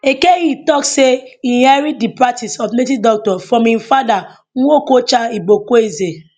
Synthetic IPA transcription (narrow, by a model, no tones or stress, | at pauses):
ekeɣitɔkseinhaɾidipɾatisɔfnet̬idɔk̚tɔfɾɔ̃mĩnfada | ŋ̩ʷokot͡ʃaiɡ͡bokoeze